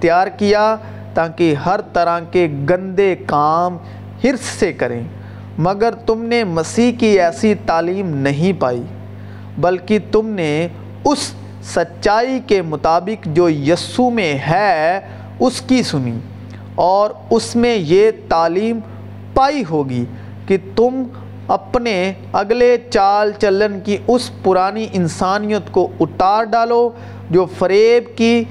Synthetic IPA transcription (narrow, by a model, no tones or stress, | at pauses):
t̪jaːɾkija | t̪aːkeɦɐɾt̪ɐɾãkeɡɐ̃nd̪ekaːm | hɪɾsːekɐɾḛ̃ː | mɐɡəɾt̪ʊmnemɐsiːɦkiɛːsit̪aːliːmnɐɦĩpaːḭ | bɐlkit̪ʊmne | ʊsː | ɐtːʃaːikemʊt̪aːbɪkd͡ʒoːjɐsumẽɦɛː | ʊskisʊnḭ | ɔːɾʊsmẽjet̪aːliːm | paːiɦoːɡi | kit̪ʊm | ɐpne | ɐɡlet͡ʃaːlt͡ʃələnkiʊspʊɾaːniʔɪnsaːnijət̪koʊt̪aːɾɖaːlo | d͡ʒoːfʰɐɾeːbkiː